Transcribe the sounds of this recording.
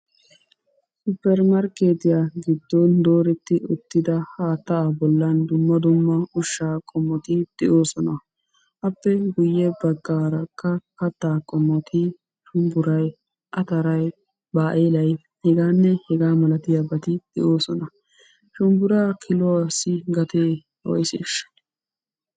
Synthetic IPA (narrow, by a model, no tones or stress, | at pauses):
sʊpːɛɾmɐɾkeːt̪ɪjaɡɪd̪ːɔnd̪o̞ːɾɛt̪ːɪʊt̪ːɪd̪ɐhaːt̪ːɐːbɔlːɐnd̪ʊmːɐd̪ʊmːɐʊʃːaːkʼɔmːɔt̪ɪd̪̥ɛʔoːsɔnɐ | ʔɐpːɛɡʊjːɛbɐɡːaːɾɐkːɐkɐt̪ːaːkʼɔmːɔt̪ʰɪ | ʃʊmbʊɾɐj | ʔɐt̪ɐɾɐj | baːʔeːlɐj | hɛɡaːnːɛhɛɡaːmɐlɐt̪ɪjabɐt̪ɪd̪̥ɛ̰ʔo̞ːsɔnɐ | ʃʊmbʊɾaːkʰɪlɔasɪɡɐt̪eː | wɔ̰jsɛ̰ːʃːɐ̥